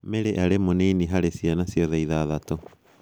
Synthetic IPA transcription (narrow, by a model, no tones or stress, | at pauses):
meɾeʔaɾemoneiniɦaɾesianasioðeiðaðat̪o